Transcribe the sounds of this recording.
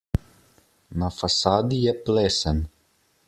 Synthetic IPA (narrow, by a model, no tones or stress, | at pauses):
nafasaːd̪ijɛplesɛn